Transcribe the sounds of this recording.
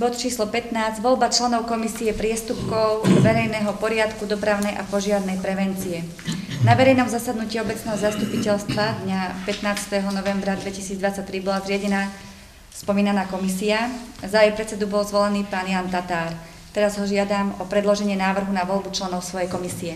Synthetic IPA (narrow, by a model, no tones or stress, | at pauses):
bɔt̪t͡ʃiːslɔpɛt̪naːzɟʋɔlbat͡ʃlɛnɔʊkɔmisiɛpɾɪɛst̪upkɔʊʋɛɾɛjnɛɦɔpɔɾɪat̪kud̪ɔpɾaʊnɛjʔapɔʒɪaɾnɛjpɾɛʋɛnt͡siɛ | naʋɛɾɛjnɔmzasad̪nuciːɔbɛt͡snɛːɦɔzast̪upicɛlst̪ʋad̪ɲapɛt̪naːt͡st̪ɛɦɔnɔʋɛmbɾad̪ʋɛcisiːd͡zd̪ʋat͡sac̚t̪ːɾibɔlazɾɪaɟɛnaː | spɔmiːnanaːkɔmisiazaɛjpɾɛt͡sɛd̪ubɔlzʋɔlɛniːpaːnjant̪at̪aːɾ | t̪ɛɾazɦɔʒɪad̪aːmɔpɾɛd̪lɔʒɛɲɪɛnaːʋr̩ɦunaʋɔlbut͡ʃlɛnɔʊsʋɔjɛjkɔmisiɛ